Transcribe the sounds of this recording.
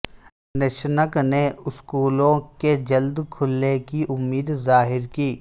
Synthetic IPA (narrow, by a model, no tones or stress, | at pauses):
nɪʃnəkneʊskuːlõked͡ʒɐld̪kʰʊlːekiʔʊmːiːd̪zaːɦɪɾkiː